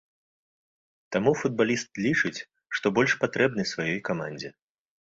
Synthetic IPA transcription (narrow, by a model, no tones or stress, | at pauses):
t̪amufud̪̚balʲist̪lʲit͡ʂɨt͡sʲ | ʂt̪ɔbɔlʲʂpat̪ɾɛbnɨsvajɔjkamanʲd͡zʲɛ